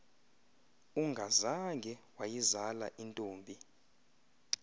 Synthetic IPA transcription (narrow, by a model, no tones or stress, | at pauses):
uŋɡʱazaŋɡʱɛwajizala̰ʔintʼoːmbʱi